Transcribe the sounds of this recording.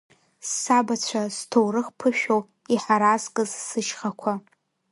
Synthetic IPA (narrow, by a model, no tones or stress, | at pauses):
sːabat͡ɕʷʰastʰowrɨχpʰɨʃᶣow | iħaɾazkʼɨzsɨʃχakʷʰa